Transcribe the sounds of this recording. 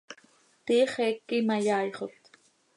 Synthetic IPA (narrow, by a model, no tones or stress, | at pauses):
t̪iːχeːkːimajɑːjχot̪